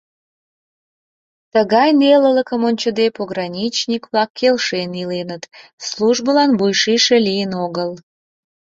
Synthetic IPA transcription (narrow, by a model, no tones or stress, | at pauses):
t̪əɣɑjnelələkəmonʲt͡ɕəd̪epoɣrɑnʲit͡ɕnʲikβlɑkːelʃenilenət̪sluʒbəlɑnβujʃiʃelijənoɣəl